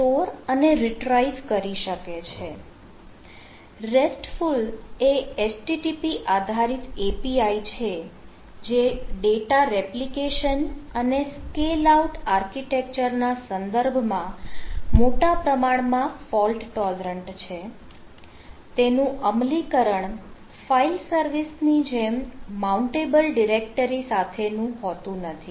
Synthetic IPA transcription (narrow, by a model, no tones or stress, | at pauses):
ʈoɾəneɾiʈɾaizkəɾiʃəket͡ʃʰe | ɾesʈfuleesʈiʈipiʔad̪ʱaɾit̪epiait͡ʃʰe | d͡ʒeɖeʈaɾeplikeʃənəneskelauʈaɾkiʈek̚t͡ʃəɾnasənd̪əɾbʱmãmoʈapɾəmaɳmãfɔlʈʈɔlɾəɳʈt͡ʃʰe | t̪enũʔəmlikəɾəɳ | failsəɾʋisnid͡ʒemmauɳʈebəlɖiɾek̚ʈəɾisat̪ʰenũɦɔt̪ũnət̪ʰi